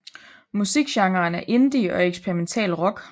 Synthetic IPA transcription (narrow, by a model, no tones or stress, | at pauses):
musiɡ̥ɕɑ̈ŋɐːnæɐʔe̝nd̥iʔɒ̽eɡ̥spʰeʁiment͡sʰɛ̰ːlʁɒ̽ɡ̥